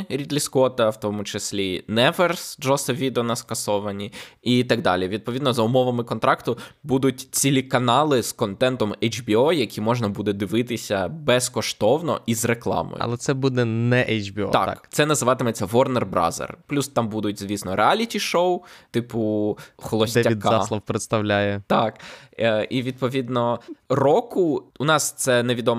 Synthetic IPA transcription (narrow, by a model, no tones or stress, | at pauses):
ɾʲid̪ʲlʲiskɔt̪ɐwt̪ɔmʊt͡ʃɪsʲlʲinɛʋɛrsd͡ʒɔsɐʋʲid̪eɔnɐskɐsɔʋɐnʲiit̪ɑɡ̚d̪ɑ̰lʲiʋʲid̪̚pɔʋʲid̪nɔzɐʊmɔʋɐmɪkɔnt̪ɾɑkt̪ʊbud̪ʊtʲt͡sʲilʲikɐnɑlˠɪz̥kɔnt̪ɛnt̪ɔmɛjd͡ʒbʲiɔjɐkʲimɔʒnɐbud̪ɛd̪ɪʋɪt̪ɪsʲɐbɛskɔʃt̪ɔwnɔ̰ʔizreklˠɑ̰mɔ̰jɐ̰lˠɛt̪sɛbud̪ɛnɛʔɛjd͡ʒbʲiɔ̰ɑ̰k̪kt̪sɛnɐzɪʋɑt̪ɪmɔt͡sʲːɐʋɔrnerbɾɑ̰zḛrplʲust̪ɑmbud̪ʊt̚ʲzʲʋʲisnɔɾʔeɑlʲitʲiʃowt̪ɪpʊxɔlˠɔdsʲɛɐid̪kːɑɑslˠɔwpɾet̪st̪ɐwlʲajɛt̪ɑk | iʋʲid̪̚pɔʋʲid̪nɔrɔkʊunɑst̪sɛneʋʲid̪ɔm